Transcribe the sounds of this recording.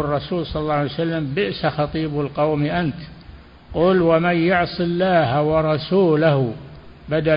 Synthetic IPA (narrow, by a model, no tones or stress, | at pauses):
rˤːɑsuːlsˤɑlɑlːɑːʕjsalːambɪʔsaxɑt̪ˤiːbalqɑwmiʔant̪ | qʊːlwamanjʊʕsˤɨlːaːhawɑɾˤɑsuːlah | bad̪a